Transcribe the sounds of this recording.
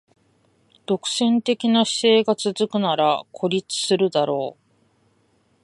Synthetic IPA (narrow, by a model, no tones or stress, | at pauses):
d̪̥o̞kɯ̟̥sẽ̞nt̪e̞kʲinaɕi̥se̞ːɡat͡sɨzɨkɯ̟naɾakʰo̞ɾʲit͡sɨ̥sɨɾɯ̟d̪aɾo̞ː